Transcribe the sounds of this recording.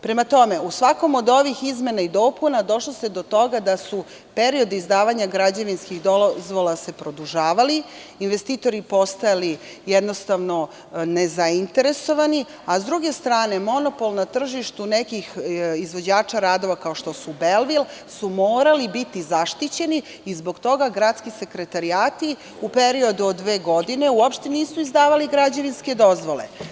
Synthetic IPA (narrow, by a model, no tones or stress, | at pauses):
pɾe̞mat̪o̞me̞usʋako̞mod̪o̞ʋixizme̞naid̪o̞ːpunad̪o̞ʃlosed̪o̞t̪o̞ɡad̪asu | pe̞ɾio̞d̪izd̪aːʋaɲaɡɾad͡ʑaʋinskixd̪ozʋolˠase̞pɾo̞d̪uʒaːʋali | inʋe̞st̪iːt̪o̞ɾipo̞st̪ajali | jed̪no̞st̪aʋno̞ | ne̞zaint̪e̞ɾe̞so̞ʋani | azd̪ɾuɡe̞st̪ɾaːne̞mo̞no̞po̞lˠnat̪r̩ʒiʃt̪unekixizʋo̞d͡ʑaːt͡ʃaɾaːd̪o̞ʋakaoʃt̪o̞subelʋilsumoːɾalibit̪izaʃt̪it͡ɕe̞niː | zbo̞ɡt̪o̞ɡaɡɾat̪skise̞kɾe̞t̪aɾiaːt̪i | upe̞ɾio̞d̪uod̪ːʋe̞ːɡo̞d̪ine̞uopʃt̪eniːsuizd̪aːʋaliɡɾad͡ʑaninske̞d̪o̞zʋo̞lḛ